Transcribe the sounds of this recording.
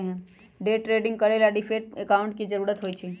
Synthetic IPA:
ɦ | ɖeʈɾeɖĩŋɡ̚kəɾelaɖifʰeʈ̚ekaʊ̃ɳʈ̚kid͡ʒəɾuːɾət̪ɦojt͡ʃʰi

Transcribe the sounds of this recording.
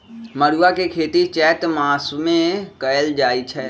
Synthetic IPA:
məɽuakekʰeːt̪it͡ʃɛːʈ̪maːsmẽkəjəld͡ʒaːit͡ʃʰɛː

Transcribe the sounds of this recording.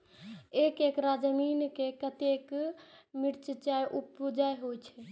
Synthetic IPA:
ekekɾad͡ʒəminkekət̪ekmiɾt͡ʃət͡ʃajʔupud͡ʒajɦojt͡ʃʰɛ

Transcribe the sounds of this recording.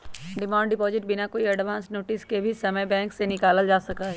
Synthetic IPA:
ɖɪmãːɳɖɖɪpɔːzɪʈ̚bʱɪnakoːiɐɖʋãːnsnoːʈɪskebʱisɐməjbɛ̃ːŋksenɪkaːləld͡ʒaːsɐkaɦɛː

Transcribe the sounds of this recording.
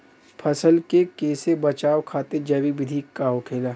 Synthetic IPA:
pʰɐsəlkekeːsebɐt͡ʃaːʋkʰaːt̪ed͡ʒɐbibɪd̪ʱiːkːaːɦokʰeːlaː

